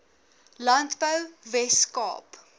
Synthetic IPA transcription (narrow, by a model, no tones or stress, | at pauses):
lɐntbəwvɛskɑ̰ːp